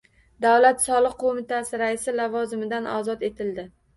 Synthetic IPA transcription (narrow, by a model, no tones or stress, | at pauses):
d̪awlat̪sɒlˠɨqqʰːomɪt̪ʰasɪɾaɪsɪlavɒzɪmɪd̪anɒ̰zɒt̪e̞t̪ʰɪld̪ɪ